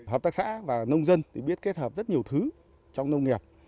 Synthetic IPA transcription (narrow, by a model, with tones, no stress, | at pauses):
ɦəː˨˩p̚t̪aː˦˥k̚sa̰ː˧˥vaː˨˩nə˧wŋ͡mzə˧nt̪ʰi˨˩ɓi˦˥ət̚ke˦˥t̚həː˨˩p̚zə˦˥t̚ɲi˨˩əwt̪ʰɨ˨˦ | t͡ɕɔ˧wŋ͡mnə˧wŋ͡mŋɛ˨˩p̚